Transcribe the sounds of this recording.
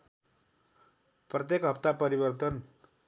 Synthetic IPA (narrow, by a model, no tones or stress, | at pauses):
prʌt̪jekɦʌpt̪apʌɾibʌrt̪ʌn